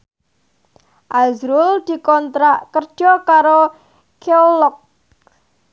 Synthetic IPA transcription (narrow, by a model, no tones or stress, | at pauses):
ʔazɾʊld̪̥i̤kɔnt̪ɾaʔkərd̥ʒ̥ɔkaɾo | keolɔk̚